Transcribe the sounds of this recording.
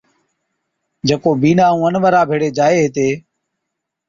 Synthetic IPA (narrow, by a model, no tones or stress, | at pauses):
d͡ʒeːkoːbiːnaːũːənʋəɾaːbʱeːɽeːd͡ʒaːeːet̪eː